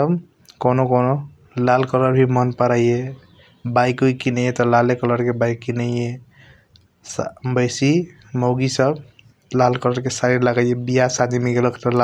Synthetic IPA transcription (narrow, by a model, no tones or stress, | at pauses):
əb | konokono | lalkələɾbʱimənpəɾaje | bajkoikinəjet̪ɔlalekələɾkebajkːinəjje | sbəjsi | məwɡisəb | lalkələɾkesaɾiɾlaɡajebijasad̪imiɡeləkʰt̪ɔla